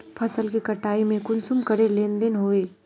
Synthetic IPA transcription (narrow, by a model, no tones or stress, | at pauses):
pʰəsəlkikəʈaːimẽkʊnsumkəɾelẽːnd̪ɪnɦoːeː